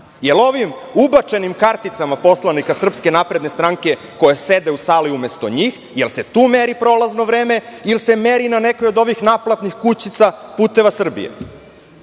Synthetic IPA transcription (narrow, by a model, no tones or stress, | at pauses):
jelˠo̞ʋim | ubat͡ʃe̞nimkaɾt̪it̪samapo̞slanikasr̩pske̞napɾe̞d̪ne̞st̪ɾaŋke̞ | ko̞jesed̪e̞usaːliume̞st̪o̞̰ɲiːx | jelˠse̞t̪uːmeɾipɾo̞lazno̞ʋɾeːme̞ilse̞meɾinane̞kojo̞d̪o̞ʋixnaplˠat̪nixkut͡ɕit̪sapuːt̪e̞ʋasr̩bḭjḛ